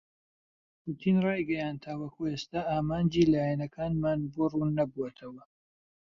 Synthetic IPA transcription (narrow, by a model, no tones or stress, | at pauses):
pʰuːt̪ʰiːnrɑːjɡɛjaːnt̪ʰawɐkʰuest̪aːʔaːmaːnd͡ʒiːlaːjɛnɐkʰaːnmaːnboːruːnːɐbuwat̪ʰɐwɐ